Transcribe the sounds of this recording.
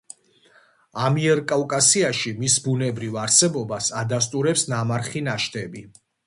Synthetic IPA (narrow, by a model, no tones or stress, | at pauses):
amiɛɾkʼavkʼasiaʃimisbunɛbɾivaɾsɛbɔbasad̪ast̪ʼuɾɛpsnamaɾχinaʃt̪ʰʼɛbi